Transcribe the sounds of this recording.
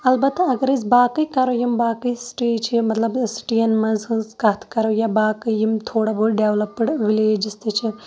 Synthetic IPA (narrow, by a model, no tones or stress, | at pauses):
ɐlbɐt̪ːɐɡɐɾizbaːkɨkɐɾojimbaːkɨsʈeːt͡ʃʰimɐt̪lɐbsʈijɐnmɐzzkɐt̪ʰkɐɾojabaːkɐjimt̪ʰoːɽabuɽɖeːʋlɐpːɨɽʋileːd͡ʒist̪ɨt͡ʃʰi